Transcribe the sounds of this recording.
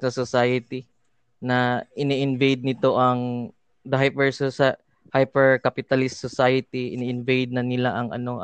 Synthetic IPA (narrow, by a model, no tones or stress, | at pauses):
sɐsosajɐt̪i | nɐʔɪniʔɪnvejd̪̚nɪt̪o̞ʔɐŋ | d̪ɐɦajpɛɹssa | hajpɛɹkapɪt̪ɐlɪst̪ːosajɐt̪iʔɪ̰niʔɪnvejd̪̚nɐnɪlaʔɐŋʔɐ̰no̞ʔ